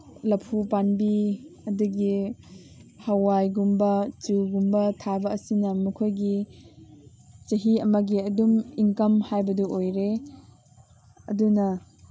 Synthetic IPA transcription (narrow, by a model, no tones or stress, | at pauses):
lɐpʰupanbiɐduɡi | hɐwajɡumbɐt͡ʃuɡumbɐtʰabɐːsinɐmɐkʰojɡi | t͡ʃɐɦiɐmɐɡiɐdumiŋkɐmhajbɐduʔojɾe | ɐ̰dunɐ